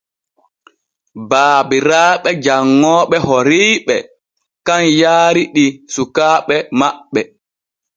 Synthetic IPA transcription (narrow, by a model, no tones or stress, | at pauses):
baːbiɾaːɓɛd͡ʒaŋːɔːɓɛhɔɾiːɓɛ | kanjaːɾiɗisukaːɓɛmaɓːɛ